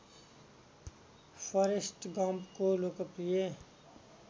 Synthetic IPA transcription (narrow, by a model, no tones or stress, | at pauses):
fɔɾesʈɡãːmbkolokəpɾie